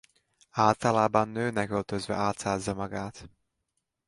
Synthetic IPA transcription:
aːlt̪ɒlaːbɒnːøːnɛkølt̪øzvɛ̰aːlt̪saːzːɒmɒɡaːt̪

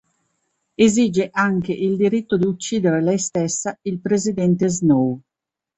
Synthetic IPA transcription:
eziːd͡ʒeʔaŋk̟eʔild̪iɾit̪ːod̪iut͡ʃːiːd̪eɾelɛjst̪esːailpɾezid̪ɛnt̪eznow

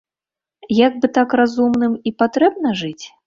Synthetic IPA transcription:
jaɡ̚bɨt̪akrazumnɨmipat̪ɾɛbnɐʐɨt͡sʲ

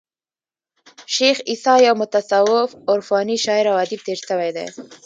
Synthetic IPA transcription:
ʃexisɑjawmʊt̪asawɪfʊɾfɑniʃɑɪɾawad̪ib̚t̪eɾʃəwajd̪a̰j

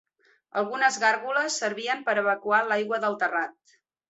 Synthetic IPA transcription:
ə̰lˠɣunəzɣarɣuləsːəɾβiəmpəɾəβəkualajɣwəðəlˠt̪ərat̪̚

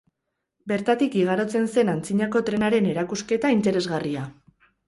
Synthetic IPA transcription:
be̞ɾt̪at̪ikiɣ̞aɾo̞t͡se̞nse̞nant͡siɲako̞t̪ɾe̞naɾe̞ne̞ɾakuske̞t̪aint̪e̞ɾe̞zɣaria

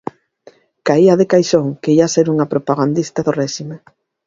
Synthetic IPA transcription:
kaiaðekajʃoŋkeiaseɾuŋapɾopaɣand̪ist̪aðorɛʃime

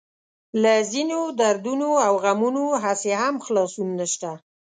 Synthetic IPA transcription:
lazinod̪aɾd̪unoawɣamunoɦaseɦamxlɑsunːəʃt̪a

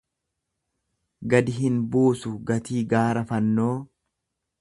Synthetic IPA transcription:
ɡɐd̪ɪɦɪnbuːsʊɡɐt̪iːɡaːɾɐfɐnːo̞ː

